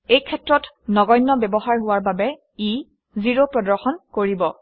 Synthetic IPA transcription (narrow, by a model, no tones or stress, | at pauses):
ejkʰɛtɹɔt | nɔɡɔjnːɔbɛbɔxaɹɦʊwaɹbabɛ | i | ziɹopɹɔdɔɹxɔnkoɹibɔ